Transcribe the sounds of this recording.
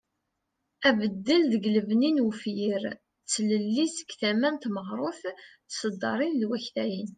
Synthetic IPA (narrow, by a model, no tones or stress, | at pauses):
ævəd̪ːəlðəɡləvninwfjiɾ | t͡sːləlːisə̥kθæmænt̪məʁɾˤʊθθsəd̪ːɑɾˤinlwæçθæjin